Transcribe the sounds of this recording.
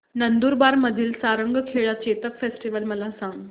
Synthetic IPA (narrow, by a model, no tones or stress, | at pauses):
nənd̪uːɾbaɾməd̪ʱiːlsaɾəŋɡkʰeɭat͡ɕet̪əkfesʈiʋəlməlasãŋɡ